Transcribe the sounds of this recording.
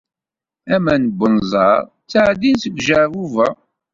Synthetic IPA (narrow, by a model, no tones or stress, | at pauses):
æmænəbːənzˤɑɾˤ | t͡sːaʕd̪inθəɡʷʒəvuvæ